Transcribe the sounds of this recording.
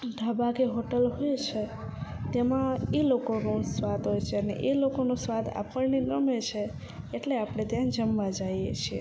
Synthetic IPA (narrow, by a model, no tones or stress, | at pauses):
d̪ʱəbakeɦoʈəlɦoet͡ʃʰe | t̪emãelokonosʋad̪ɦojt͡ʃʰeənḛʔelokonusʋad̪a̰pəɳnenəmet͡ʃʰeː | ʈleapɽ̃et̪jãd͡ʒəmʋad͡ʒajḛt͡ʃʰie